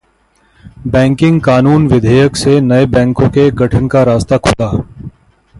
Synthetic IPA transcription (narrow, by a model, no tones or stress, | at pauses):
bɛ̃ːŋkɪ̃ŋɡkaːnuːnʋɪd̪ʱeːjəksenɐebɛ̃ːŋkõkeɡʱəʈʰənkaɾaːst̪akʰoːt̪aː